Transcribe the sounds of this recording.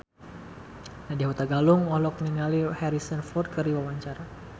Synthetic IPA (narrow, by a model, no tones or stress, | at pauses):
nadiaɦut̪aɡaluŋɔhlɔk̚niŋalihɛɾisənfɔrd̪̚kəɾiwawaɲt͡ʃaɾa